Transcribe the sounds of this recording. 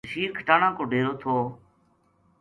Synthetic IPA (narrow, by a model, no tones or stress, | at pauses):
ʃiːɾkʰəʈaːɳãːkoːɖʱeːɾoːt̪ʰoː